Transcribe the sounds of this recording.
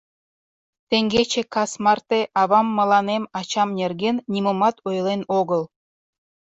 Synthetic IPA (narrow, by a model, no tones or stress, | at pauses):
t̪eŋɡʲet͡ɕĕkɑsmɑrt̪eʔɑβɑmːɑlˠɑnemɑt͡ɕɑmnʲerɡenːʲimomɑt̪ojlˠenoɣəlˠ